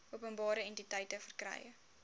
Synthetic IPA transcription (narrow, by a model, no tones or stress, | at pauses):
uəpənbɑːɾəɛntitɐjtəfərkrɐ̰jə̰